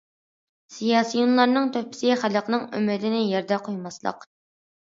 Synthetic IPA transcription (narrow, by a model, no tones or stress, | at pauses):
sijɑːsɨjunlˠɑɾnɨŋt̪ʰøpʰɪ̥sɪχæləqnɨŋy̰mɪd̪ɪnɪjɛɾd̪ɛqʰojmɑslˠə̰q